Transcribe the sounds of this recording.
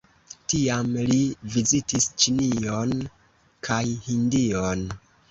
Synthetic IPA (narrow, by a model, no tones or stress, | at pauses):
tiamlivizitist͡ʃinion | kʰajhindion